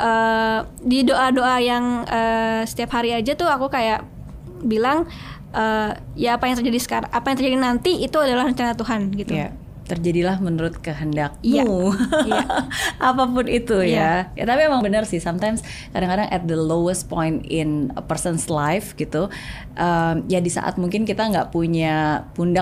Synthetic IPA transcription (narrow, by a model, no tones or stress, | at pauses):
ʔə | didoʔadoʔajaŋəsə̥t̪iaphaɾiad͡ʒat̪ʊɦakukajaʔ | bilaŋ | ʔəjaːpajaŋt̪ərd͡ʒadisə̥kaɾaŋʔapajaŋt̪ərd͡ʒadinant̪iit̪uadalahrəɲt͡ʃanat̪uɦanɡit̪ja̰ | t̪ərd͡ʒadilahmənuɾʊt̪̚kəɦəndak̚mjajaʔapapʊnit̪ujaja̰t̪apiemaŋbənərsɪhsamt̪ajms | kadaŋkadaŋʔɛ̰t̪̚d̪əlowəst̪̚pɔjnt̪ɪnpərsənslajfɡit̪u | ʔəmjadisa̰ʔa̰t̪̚muŋkɪnkit̪aŋɡaʔpuɲapunda